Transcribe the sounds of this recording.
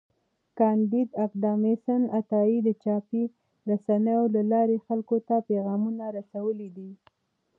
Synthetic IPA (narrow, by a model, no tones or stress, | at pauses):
kɑnd̪id̪aqd̪ɑmesanat̪ɑid̪ət͡ʃɑpi | ɾasanəjolalɑɾexalkot̪apeɣɑmunaɾasawəlid̪i